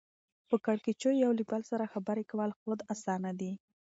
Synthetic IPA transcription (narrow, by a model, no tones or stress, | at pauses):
pəkaɽket͡ʃojawlibalsaɾaxabaɾekawalxod̪asɑnad̪i